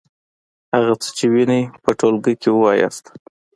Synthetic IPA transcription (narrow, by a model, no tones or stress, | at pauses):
haɣat͡sə̥t͡ʃewinəjpəʈolɡəjkewəwɑjɑ̰st̪